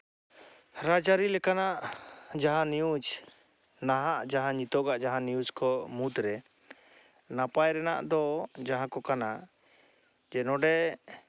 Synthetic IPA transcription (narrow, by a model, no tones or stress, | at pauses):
ɾad͡ʒaɾilɛkanaʔd͡ʒaɦãnijud͡ʒ | naɦaʔd͡ʒaɦãɲit̪ɔɡaʔd͡ʒaɦãnijud͡ʒkɔmud̪ɾɛ | napajɾɛna̰ʔd̪ɔd͡ʒaɦãkɔkanaʔ | d͡ʒɛnɔ̃ɖɛ